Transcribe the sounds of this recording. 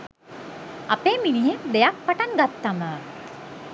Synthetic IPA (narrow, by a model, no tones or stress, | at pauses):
apeːminiɦemd̪ejak̚paʈaŋɡat̪ːamə